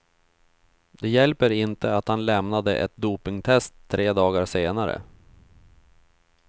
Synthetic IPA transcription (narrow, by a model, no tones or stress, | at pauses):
d̪ɛjɛlpəɾɪnt̪əat̪hanlɛmnad̪əʔɛ̰t̪̚d̪uːpɪŋt̪ʰɛst̪ʰːɾeːd̪ɑːɡaɾseːnaɾə̰